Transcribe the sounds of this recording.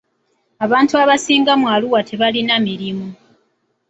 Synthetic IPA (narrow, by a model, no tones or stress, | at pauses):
aβaːntuaβasiːŋɡamwaːluwatʰe̞βalinamiɾimu